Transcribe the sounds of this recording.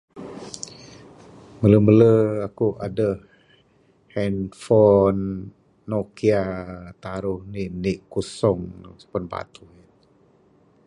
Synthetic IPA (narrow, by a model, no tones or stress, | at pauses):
mələmələakuʔadə | hɛnfɔnː | okiat̪aɾʊhniʔniʔkusɔŋspənba̰t̪ui